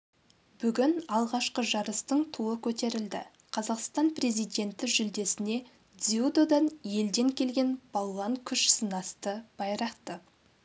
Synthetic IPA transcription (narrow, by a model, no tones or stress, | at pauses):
b̥ʏɡʲɪnɑlˠʁɑʃqəʒɑɾəst̪əɴt̪ʰuəkʲʰɵt̪e̞ɾɪld̪ɪ̰ | qʰɑzɑqst̪ɑnpre̞zijd̪e̞nt̪ɪʒʏld̪e̞sɪne̞ | d̪ziud̪od̪ɑnje̞ld̪e̞ŋkʲʰe̞lɡʲe̞nb̥ɑlˠːɑŋkʲʰʏʃsənɑst̪əb̥ɑjɾɑqt̪ə